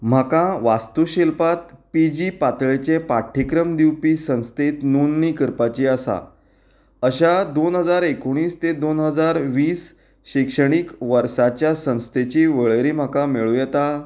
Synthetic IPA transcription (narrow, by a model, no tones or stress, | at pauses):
m̤akãʋast̪uɕilpat̪̚pid͡ʑipat̪ɭet͡ɕepaʈʰːikɾəmd̪iwpisə̃w̃st̪et̪nunːikəɾpat͡ɕiəsa̰ | əɕad̪onɦəd͡zaɾekoɽ̃iːst̪ed̪onɦəd͡zaɾʋiːs | ɕikʂəɽ̃ikʋəɾsat͡ɕjasə̃w̃st̪et͡ɕiːʋəɭɾim̤akameɭujɛt̪a